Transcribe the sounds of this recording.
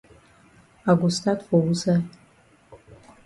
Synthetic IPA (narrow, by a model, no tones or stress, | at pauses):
aɡʷʊstʰatʰwawuza